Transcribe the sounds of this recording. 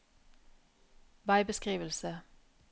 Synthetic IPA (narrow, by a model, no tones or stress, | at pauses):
ʋɑɪbəskʁiːʋəlsə